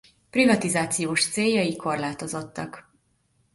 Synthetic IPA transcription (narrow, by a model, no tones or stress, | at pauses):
privɒt̪izaːt̪sijoːʃt̪seːjːɒjiko̞rlaːt̪o̞zo̞t̪ːɒk